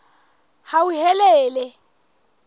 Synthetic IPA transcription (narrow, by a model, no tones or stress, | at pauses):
hauhɛlɛːlɛ